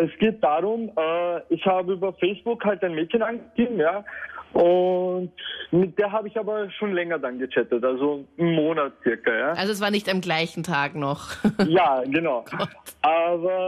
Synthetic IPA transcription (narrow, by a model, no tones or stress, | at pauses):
ɛsɡ̥eːt̚d̥aːʁʊmɛːɪçhaːbəyːbɐfɛɪsb̥ʊkhalt̚d̥aɪnmeːtçənanɡəɡ̥eːbm̩jaːʔʊntmɪt̚d̥eːɐɦaːbəɪçaːbɐʃoːnlɛŋɐdanɡət͡sɛtətalzomːoːnatt͡sɪɐkɐjaːʔalzoɛs̬v̥aːɐnɪçtamɡlaɪçn̩tʰaːɡnɔχjaːɡənaʊɔʔaːbɐ